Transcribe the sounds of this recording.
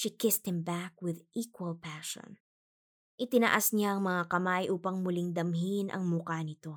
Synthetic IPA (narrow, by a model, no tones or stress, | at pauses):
ʃikɪst̪̚hɪmbak̚wɪðʔikwɐlpaʃo̰n | ʔɪt̪ɪnɐ̰ʔasɲaɐŋmɐŋakɐmajʔuːpɐŋmʊlɪŋd̪ɐmɦinʔɐ̰ŋmʊkanɪt̪o̞